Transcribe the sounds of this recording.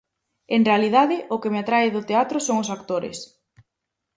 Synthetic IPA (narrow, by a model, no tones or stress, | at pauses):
eŋrealiðaðɪʔʊkɪmeat̪ɾaɪðʊt̪eat̪ɾʊsoŋʊsakt̪oɾɪ̰s